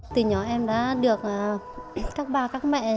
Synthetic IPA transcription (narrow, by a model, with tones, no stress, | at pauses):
t̪ɨ˨˩ɲɔ˨˩ʔɛ˧mɗa̰ː˧˥ɗɨ˨˩ək̚ʔa˨˩ | kaː˦˥k̚ɓaː˧kaː˦˥k̚mɛ̰˧˨